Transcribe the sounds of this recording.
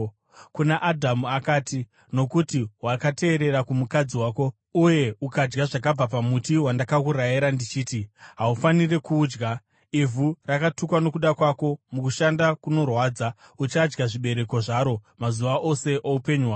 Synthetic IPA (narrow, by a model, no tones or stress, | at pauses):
kunaʔadʱamuakaːti | no̞kutiwakate̞ːɾe̞ɾakumukad͡ziwaːko̞ | uje̞ukad͡ʒɡaʐakab͡vapamutiwandakakuɾajeɾandit͡ʃiːtiɦaufanire̞kuːd͡ʒɡa | ivʱurakatukwano̞kuɗakwako̞mukuʃandakuno̞rwaːd͡za | ut͡ʃad͡ʒɡaʐiɓe̞ɾe̞ko̞ʐaɾo̞mazuʋaʔose̞ʔoupe̞ɲuɦwaː